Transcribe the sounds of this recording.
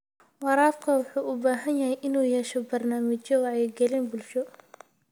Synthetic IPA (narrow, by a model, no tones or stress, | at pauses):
wɑɾɑːdkʰɐwɑħuːʔʊbaːɦɐnjɐɦɛjʔɪnuːjɛʃɔbɐrnaːmɐt͡ʃɔjɛɡɛlɪnbʊlʃɔ